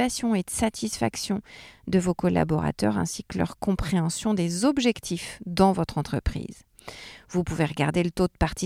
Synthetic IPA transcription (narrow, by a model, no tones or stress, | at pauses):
asjɔ̃ed̪əsat̪ʰisfa̰ksjɔ̃d̪əvokɔla̰bɔʁa̰t̪œʁɛ̰̃siklœ̰ʁkɔ̃pχeɑ̃sjɔ̃d̪ezɔbʒɛkt̪ʰifd̪ɑ̃vɔt̪χɑ̃t̪χə̰pχḭːz | vupuveʁəɡa̰ʁd̪elət̪od̪̚paʁt̪i